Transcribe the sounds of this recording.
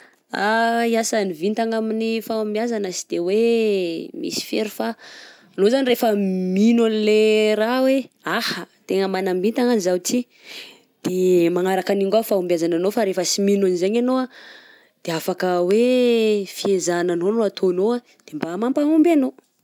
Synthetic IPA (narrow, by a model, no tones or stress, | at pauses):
aiasanivint̪aŋaminifaumbiazanəsi̥d̪̥ewe | mḭsi̥feɾufaː | nozanirefəminanleɾaweahət̪eŋəmanambint̪aŋanizawt͡si | d̪̥emaŋaɾakaniŋɡafaumbjazananofaɾefəsiminanzeɲanoa | d̪̥eafakəwe | fiezananonoat̪ʰonoa | d̪̥embamampaumbano